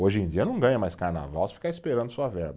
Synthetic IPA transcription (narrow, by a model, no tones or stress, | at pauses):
oʒẽd͡ʒiɐnɐ̃w̃ɡɐ̃ɲɐmajskaɾna̰vawsɪfikaɾispeɾɐ̃nd̪ʊsuɐvɛɾbɐ